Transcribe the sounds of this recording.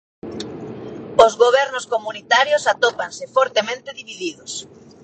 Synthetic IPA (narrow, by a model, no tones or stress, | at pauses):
ozɣoβ̞ɛɾnʊskomunit̪aɾjosat̪opansɪfɔɾt̪emẽnt̪ɪðiβiðiðʊs